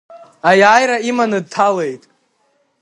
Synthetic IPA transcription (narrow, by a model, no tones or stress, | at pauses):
ajaːjɾaimanɨd̚tʰale̞jtʼ